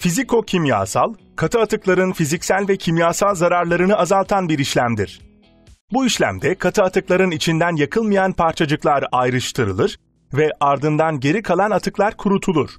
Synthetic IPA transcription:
fizikʰo̞cʰimja̰ːsa̰lˠ | kʰat̪ʰɯat̪ɯklˠaɾɯnfizicsælʲvɛcʰimjaːsalˠzaɾaɾlˠaɾɯnɯazalˠt̪ʰanbiɾiʃlʲæmd̪ḭɾ̥ | buiʃlʲæ̰md̪ɛkʰat̪ʰɯat̪ʰɯklˠaɾɯnit͡ʃʰind̪ænjakʰɯlˠmɯjanpʰaɾt͡ʃʰad͡ʒɯklˠaɾajɾɯʃt̪ʰɯɾɯ̰lˠɯɾ̥ | vɛʔaɾd̪ɯnd̪anɟe̞ɾikʰalˠanat̪ʰɯklˠaɾkʰuɾut̪ʰulˠuɾ̥

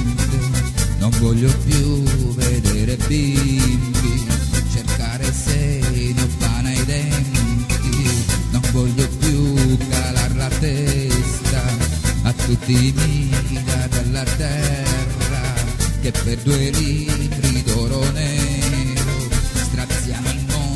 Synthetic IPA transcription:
t̪enoɱvɔʎːopjuved̪ɛːɾebimbit͡ʃerkaːɾesɛnobanajd̪ɛnt̪inoɱvɔʎːopjukːalarlat̪ɛst̪aː | t̪ːut̪ːimid̪ad̪alːat̪ɛrːak̟epːerd̪uelit̪ɾid̪ɔɾonɛ | ɾost̪ɾat̪sːjaːmolmɔ

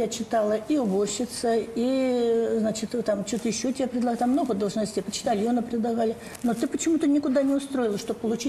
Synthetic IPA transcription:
at͡ɕɪt̪alˠəiʊborɕːɪt̪səiznat͡ɕɪt̪t̪amt͡ɕot̪əjɪɕːotʲɪbʲapɾʲɪd̪ˠɐɣt̪mːno̞ɣəd̪oʐnəsʲtʲːjapət͡ɕɪ̥t̪alʲɪjonəpɾʲɪd̪ˠɐɣalʲɪ | not̪ɨpət͡ɕɪmut̪ənʲɪkʊd̪anʲɪʊst̪ɾo̞ɪlˠəʂt̪o̞b̚pːəlˠʊt͡ɕi

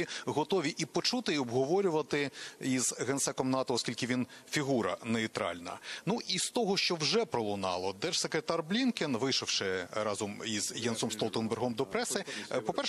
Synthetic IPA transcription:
iɦɔt̪ɔʋʲiʔipɔt͡ʃut̪ɪiɔbɦɔʋɔɾʲʊʋɐt̪ɪizɣɛnt̪sɛkɔmnɑt̪ɔɔskʲilʲkɪʋʲinfʲiɦuɾɐ̰neit̪ɾɑ̰lʲnɐ̰nuʔist̪ɔɦɔʃt͡ʃɔwʒɛpɾɔlˠʊnɑ̰lˠɔd̪ɛʒ̥sekɾet̪ɑrblʲinkenʋɪjʃɔwʃɪɾɑzɔmizjɛnsɔmst̪ɔlˠt̪enbɛrɦɔmd̪ɔpɾɛsɪpɔpɛr

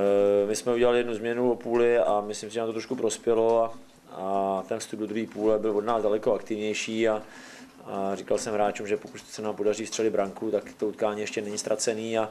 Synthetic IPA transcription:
mɪsmɛuɟɛlalɪjɛdnuzmɲɛnuopuːlɪamɪslimsɪʒɛnat̪ot̪ɾoʃkupɾo̞spjɛloa | at̪ɛnfst̪up̚b̚dod̪ɾuɦiːpuːlɛbɪlvodnaːzdalɛko̞akt̪ɪvɲɛjʃiːa | arɪkalsɛmɦɾaːt͡ʃumʒɛpokut̪sɛnaːmpo̞dariːst̪r̥ɛlɪd̪̚bɾaŋkut̪akt̪out̪kaːɲiːjɛʃcɛnɛɲɪst̪ɾat͡sɛniːa

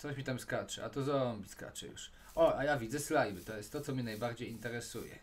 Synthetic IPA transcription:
t̪sɔɕmʲit̪amskat͡ʂɛ̰a̰t̪ɔzɔmbʲiska̰t͡ʂɛ̰jṵʂ | ʔɔajavʲid̪zɛslajbɘt̪ɔjɛst̪ːɔt̪sɔmʲɲɛnajbaɾd͡ʑejint̪ɛɾɛsujɛ̰

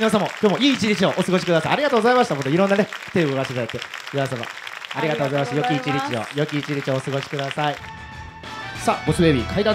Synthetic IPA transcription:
nasamokʲjoːmo̞iːt͡ɕiɾʲit͡ɕio̞ʔosɨɡo̞ɕi̥kɯ̟d̪asaiaɾʲiɡat̪oːɡozaimaɕi̥t̪amot̪oiɾõ̞nːanet̪eːboɡaɕisaet̪ːemiasama̰aɾʲiɡat̪oːɣozaimaɕi̥t̪jo̞akʲiːt͡ɕiɾʲit͡ɕio̰jo̞kʲiːt͡ɕiɾʲit͡ɕioːsɨɡo̞ɕi̥kɯ̟d̪asai | saːbo̞sɨbe̞ːbʲikʰaid̪ã

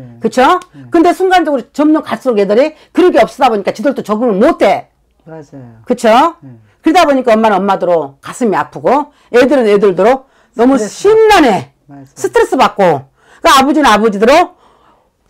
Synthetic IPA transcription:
kɯt͡ɕʰokɯnde̞sʰuŋɡand͡ʑʌɡɯɾot͡ɕʌmd͡ʑʌmkaɭs͈ɯoɡedɯɾikɯɾʌɡeʌp̚s͈ʌdaboɲik͈at͡ɕidɯɭtot͡ɕʌɡɯmɯnmotʰe̞ | kɯt͡ɕʰo | kɯɾidaboɲik͈aʌmːanɯnʌmːadɯɾokasʰɯmiapʰɯɡo | edɯɾɯnedɯɭdoɾo | nʌmuɕʰinːane̞ | sʰɯtʰɯɾes͈ɯbak͈̚o | k͈ɯabod͡ʑinɯnabod͡ʑidɯɾo

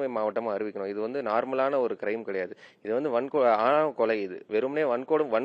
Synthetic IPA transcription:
mɐmaːʋɐʈːɐmãːɐɾɯʋɪkʲːɐɳʊ̃ːɪðɯʋɐnd̪ɯnaːɾmɐlaːnɐɔɾɯkɪɾɐɪmkɪɽɐjaːðɯɪðɯʋɐnd̪ɯʋɐnkoaːnaːkɔlɐɪðɯʋɛɾɯmneːʋɐnkoːɽɯmʋɐn

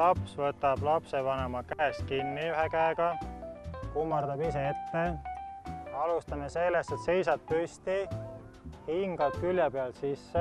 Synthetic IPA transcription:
lɑpsvɤt̪ːˑɑb̥lɑpsevɑnemɑkæest̪̚kinːiyɦekæeɡ̥ɑ | kumːɑrd̪ɑbiseet̪ːe̞ | ɑlust̪ɑmese̞lːest̪et̪se̞jsɑt̪̚pyst̪i | hiŋɡ̥ɑb̥̚kyljepeɑlsisːe

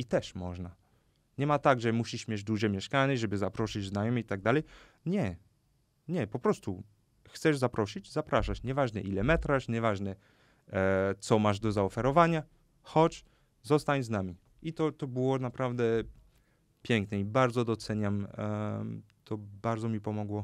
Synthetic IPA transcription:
it̪ɛʂmɔʐna | ɲɛmat̪aɡʐɛmuɕiʂmʲjɛd͡ʑd̪uʐɛmʲjɛʂkanɛʐɛbɘzapɾɔʂɘd͡ʑznajɔmʲiit̪aɡ̚d̪alɛj | ɲɛ | ɲɛpɔpɾɔst̪u | xt̪sɛʐzapɾɔɕid͡ʑzapɾaʂat͡ɕɲɛvaʐnɛʔilɛmɛt̪ɾaʂɲɛvaʐnɛ | t̪sɔmaʐd̪ɔzaɔfɛɾɔvaɲa | xɔt͡ɕ | zɔst̪aɲznamʲi | it̪ɔt̪ɔbɘwɔnapɾavd̪ɛ | pʲjɛŋknɛibaɾd̪zɔd̪ɔt̪sɛɲam | t̪ɔbaɾd̪ɔmʲipɔmɔɡwɔ

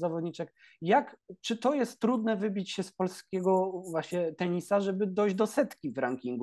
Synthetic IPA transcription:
zavɔd̪ɲit͡ʂɛk | jakt͡ʂɘt̪ɔjɛst̪ːɾud̪nɛvɘbʲit͡ɕɕɛspɔlskʲɛɡɔvwaɕɲɛt̪ɛɲisaʐɛbɘd̪ɔjʑd͡ʑd̪ɔsɛt̪kʲivɾaŋkʲiŋɡu

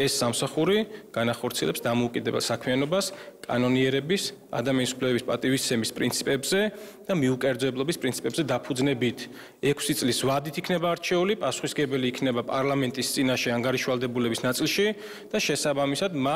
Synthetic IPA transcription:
ɛsːamsaχuɾiɡ̥anaχɔɾt̪sʰiɛlɛpsd̪amɔukʼid̪ɛbɛ̰lˠsakʰmianɔbaskʼa̰nɔniɛɾɛbisa̰d̪amianisupʰlɛbɛbispʼat̪ʼivist̪sʰɛmispʼɾint̪sʰi̥pʼɛbzɛd̪̥amiukʼɛɾd̪zɛblˠɔbispʼɾint̪sʰi̥pʼɛbzɛd̪apʰud̪znɛbit̪ʰ | ɛkʰsit̪sʼlisvad̪it̪ʰikʰnɛbaːɾt͡ʃʰɛulipʼasu̥χisɡɛbɛliːkʰnɛbapʼaɾlˠamɛnt̪ʼist̪sʼinaʃɛaŋɡaɾiʃvalˠd̪ɛbulɛbisnat̪sʼilˠʃi | d̪̥aʃɛsabamisad̪ma

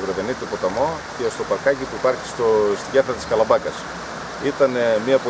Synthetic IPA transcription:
vɾeve̞nit̪ipo̞t̪ɐmo̞ce̞st̪opɐɾkɐcipuipɐɾçi̥st̪ost̪iɟeθɾɐt̪i̥skɐlɐbɐkɐs | it̪ɐnemiɐpo

